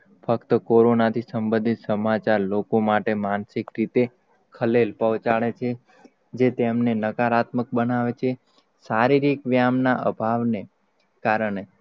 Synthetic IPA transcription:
fəkt̪əkoɾonat̪ʰisəmbə̃nd̪ʱit̪səmat͡ʃaɾlokomaʈemansikɾit̪e | kʰəlelpəʋt͡ʃaɭet͡ʃʰe | d͡ʒet̪emnenəkaɾat̪mək̚bənaʋet͡ʃʰe | saɾiɾikʋjamnaʔə̰bʱaʋne | kaɾəɳe

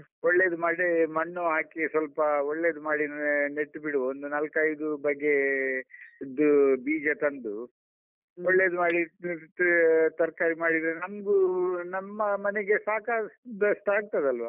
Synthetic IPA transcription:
ɔɭːeːd̪umaːɽimɐɳːoɦaːkisʋɐlpɐɔɭːed̪umaːɽineʈːbiɽuond̪unɐlkɐjd̪ubɐɡːe̞ | id̪ubiːd͡ʒɐt̪ɐnd̪u | ɔɭːeːd̪umaːɽi | t̪ɐɾkaːɾimaːɽid̪ɾenɐmɡunɐmːɐmɐneɡesaːkad̪sʈaːɡ̚t̪ɐd̪ɐlʋaː

